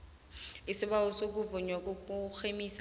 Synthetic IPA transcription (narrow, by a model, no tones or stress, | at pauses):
ɪsɪbaʊsok̬ʊvʊɲwakʊk͡xʰemis